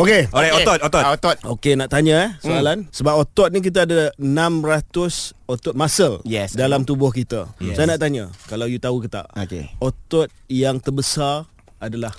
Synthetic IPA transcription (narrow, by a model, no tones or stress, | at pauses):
okeokeoɔt̪ot̪ɔot̪ɔt̪̚okenaʔt̪aɲãɛsoalansəbap̚ot̪ɔt̪̚nik̬it̪̬aadaənãmrat̪ʊsot̪ɔt̪̚masəljɛsdalamt̪ubɔhkit̪asajanaʔt̪aɲakalawjut̪aukət̪a̰ʔokḛot̪ɔt̪̚jaŋt̪ərbəsar | adalah